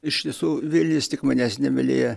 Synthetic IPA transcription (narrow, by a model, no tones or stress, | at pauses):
ɪʃt̪ʲiɛsuːʋʲɪlʲnʲɪst̪ʲɪkmɐnʲæsʲnʲɛʋʲɛlʲḛːjɛ